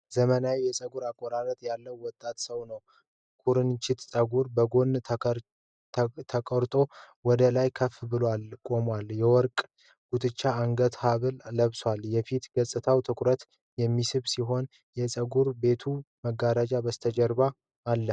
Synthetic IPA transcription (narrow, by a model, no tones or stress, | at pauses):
zəmənawijɛsʼəɡuɾakʼːɔɾaɾət̪ʼjalːəwːɔt̪ʼːat̪səwnəw | kʰuɾɨnt͡ʃɪt̪sʼəɡuɾbəɡo̞n | t̪ʰəkʼɔɾt̪ʼo̞ | wɔd̪əlajkʰəfbɨlwalkʼo̞mwaljɛwɔɾkʼ | ɡ̥ut̪ʰʼɨt͡ʃːaːŋɡət̪haβɨlːəβswaljɛfit̪ɡ̥əsʼɨt̪ʰawt̪ʰɨkʷʰʼɾət̪ | jɛmːisɨβsiɦo̞n | jɛsʼəɡuɾbe̞t̪ʰuməɡːaɾad͡ʒabəst̪ʰəd͡ʒɛɾbaː | lːə